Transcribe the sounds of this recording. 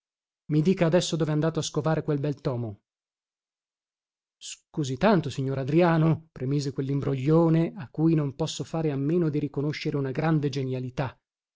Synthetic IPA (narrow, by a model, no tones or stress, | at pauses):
mid̪iːkaːd̪ɛsːod̪oːveand̪aːt̪oaskovaːɾekwelbɛlt̪ɔːmo | skuːzit̪ːant̪osiɲːoːɾad̪ɾiaːnopɾemiːzekwelːimbɾoʎːoːneakːuːjnompɔsːofaːɾeamːeːnod̪iɾikonoʃːeɾeunaɡɾand̪ed͡ʒenjalit̪a